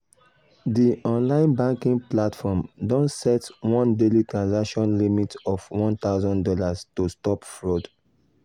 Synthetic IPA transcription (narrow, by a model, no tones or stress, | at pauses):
diɔ̃nlãɪ̃nbãŋkĩŋplatfɔmdɔ̃nsɛtwɔ̃ndelitɹãnzakʃɔ̃nlimitɔfwɔ̃nt̪aʊzɔ̃ndɔlastostɔpfɹod